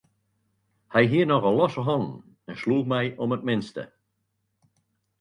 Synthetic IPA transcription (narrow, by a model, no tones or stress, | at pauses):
hɛjɦiːənɔɣəlɔsəɦɑn | ɛnsluːxmɛjʔɔmət̚mɪnstə̰